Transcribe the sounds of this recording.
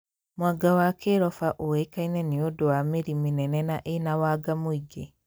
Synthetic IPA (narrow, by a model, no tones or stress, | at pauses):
mwaɡawakʰeɾɔfaʔowekainɛniodowameɾiminɛnɛnaʔenawaɡamoiɡe